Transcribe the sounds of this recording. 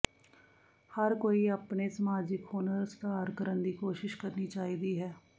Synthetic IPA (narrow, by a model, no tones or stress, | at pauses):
həɾkoːiːəpneːsəmaːd͡ʒɪkhoːnəɾst̪aːɾkəɾənd̪iːkoːʃɪʃkəɾniːt͡ʃaːiːd̪iːɦɛː